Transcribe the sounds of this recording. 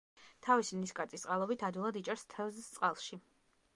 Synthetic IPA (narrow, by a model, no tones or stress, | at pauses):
t̪ʰavisimniskʼat̪sʼist̪sqʼalˠɔbit̪ʰad̪wilˠad̪it͡ʃʼɛɾst̪ʰɛvzt̪sʼqʼalˠʃi